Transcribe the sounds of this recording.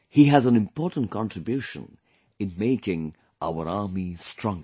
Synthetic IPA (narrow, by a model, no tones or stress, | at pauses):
hiɨzə̃nɨ̃mpʰɔɹʔn̩kʰɑ̃ntʰɹ̥ɨbjʉʃə̰̃n | ɨ̃nmeɪkɪ̃ŋ | ʔa̰ʊə˞ɑɹmistʰɹ̥ʌ̃ŋɡə˞